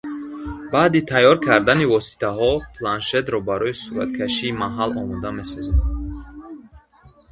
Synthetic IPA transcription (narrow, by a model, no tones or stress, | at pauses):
bad̪it̪ʰajːɔɾkʰaɾd̪anivɔsi̥t̪ʰaɦɔpʰlanʃe̞t̪ɾɔbaɾɔisuɾa̰t̪̚kʰaʃiːmaɦalɔmund̪ame̞sɔzadd̪